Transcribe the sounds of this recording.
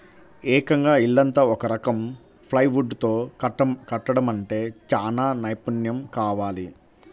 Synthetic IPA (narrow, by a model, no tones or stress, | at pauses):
ɛːkɐŋɡaːiɭːɐnt̪ɐɔkɐɾɐkɐm | pʰlɐjʋuɖt̪o̞ːkɐʈːɐɽɐmɐɳʈe̞ːt͡ʃaːnaːnɐjpunjɐmkaːʋaːli